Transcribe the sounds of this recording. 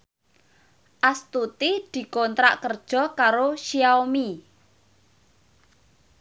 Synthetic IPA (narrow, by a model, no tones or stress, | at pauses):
ʔast̪ut̪id̪̥i̤kɔnt̪ɾa̰ʔkərd̥ʒ̥ɔ̤kaɾoʃijaomi